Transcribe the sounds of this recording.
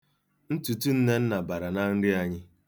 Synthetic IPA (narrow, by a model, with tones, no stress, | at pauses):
n̩˦tu˨tu˦n̩˦ne˦n̩˦na˨ba˨ɾa˨na˦n̩˦dɪ˦a˨ɲɪ˦